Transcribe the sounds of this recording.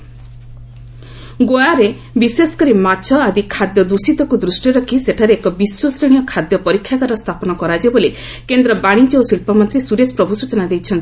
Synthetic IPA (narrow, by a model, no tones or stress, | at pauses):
ɡojaɾe | bisesɔ̥kɔɾimat͡ʃʰɔad̪ikʰad̪jɔd̪usit̪ɔkud̪ɾusʈiɾɔkʰiseʈʰaɾeːkɔbiswɔsɾeɽ̃ijɔkʰad̪jɔpɔɾikʰːjakaɾɔst̪ʰapɔnɔkɔɾad͡ʒeboli | kend̪ɾɔbaɽ̃it͡ʃeosiɭpɔmɔnt̪ɾisuɾespɾɔbʱusut͡ʃɔnad̪ejt͡ʃʰɔnt̪i̥